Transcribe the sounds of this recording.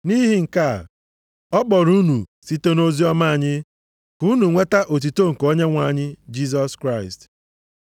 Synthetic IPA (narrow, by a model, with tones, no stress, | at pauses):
ni˦ɦi˨ŋ̩˨ka˦˨ | ɔ˦k͡pɔ˨ɾu˦nu˨si˦te˦no˦zi˦ɔ˦ma˦a˨ɲɪ˦ | ku˦nu˨ŋʷe˦ta˦ʔo˨t̬i˨to˦ŋ̩˨ko˦ɲe˦ŋʷa˦˨ɲɪ˦d͡ʒi˦z̬ɔ˦skɾa˦˨ɪ˨st